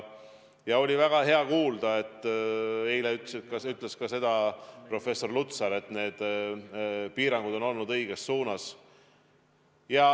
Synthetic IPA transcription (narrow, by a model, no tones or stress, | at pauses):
jɑo̞lʲivæɡ̥ɑɦe̞ɑkuːld̪̥ɑe̞t̪ːˑe̞jleyt̪sekɑsyt̪ːˑle̞skɑse̞d̪̥ɑpro̞fe̞sːo̞rlut̪sɑɾe̞t̪ːˑne̞ːd̪̥ | piːɾɑŋɡ̥ud̪̥o̞no̞lnud̪ɤiɡ̥e̞sːuːnɑs | jɑ